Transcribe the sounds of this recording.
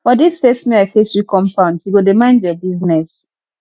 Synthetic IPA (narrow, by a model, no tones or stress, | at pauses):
bɔdisfɛsmĩaɪfesikɔ̃mpãʊ̃nduɡodemãɪ̃nzjɔbiznɛs